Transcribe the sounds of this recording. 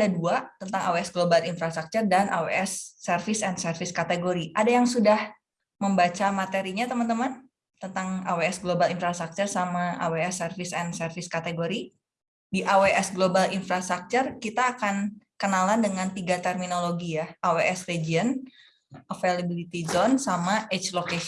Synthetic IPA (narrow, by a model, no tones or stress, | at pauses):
daduat̪ənt̪aŋaweɛsɡlobalinfɾast̪ɾak̚t͡ʃʊrdanʔaweɛsːɛrfɪsɛnsərfɪskat̪eɡoɾiʔadajaŋsudah | məmbat͡ʃamat̪eɾiɲat̪əmant̪əman | t̪ənt̪aŋaweɛsɡlobalinfɾast̪ɾak̚t͡ʃʊrsamaʔa̰weɛsːərfɪsɛnsərfɪskat̪eɡoɾi | diʔaweʔɛsɡlobalinfɾast̪ak̚t͡ʃʊrkit̪aːkankənalandəŋanp̪iɡat̪ɛrminoloɡijaʔaweʔɛsred͡ʒiən | ʔəfelabilit̪izɔnsamaʔet͡ʃloke